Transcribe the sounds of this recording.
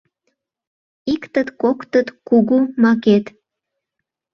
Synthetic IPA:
ikt̪ət̪kokt̪ət̪kuɣumɑket̪

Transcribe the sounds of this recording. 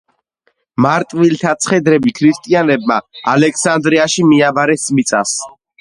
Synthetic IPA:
maɾt̪ʼvilt̪ʰat̪sʰχɛd̪ɾɛbikʰɾist̪ʼianɛbma̰alɛkʰsand̪ɾiaʃimiabaɾɛsmit̪sʼas

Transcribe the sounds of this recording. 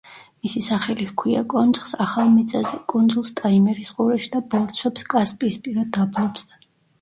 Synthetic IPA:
misisaχɛlikʰwia̰kʼɔnsʼχsaχalˠmɛt̪sʼazɛkʼund̪zulˠst̪ʼaimɛɾisqʼuɾɛʃd̪abɔɾt̪sʰwɛpskʼaspʼiːspʼiɾad̪ablɔbz̥ɛ

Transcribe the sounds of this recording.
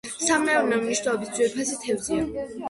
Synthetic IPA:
samɛɔɾmɛumniʃnɛlɔbisd̪sʰʼwɛɾpʰasit̪ʰɛvd̪zia

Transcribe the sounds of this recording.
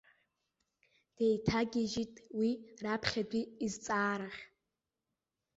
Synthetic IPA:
d̥ejtʰaɡʲiʒitʼwirapʰχʲadʷiːzt͡sʼaːɾaχʲ

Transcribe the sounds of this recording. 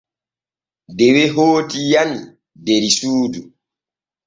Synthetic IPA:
deweɦoːtijani | deɾisuːdu

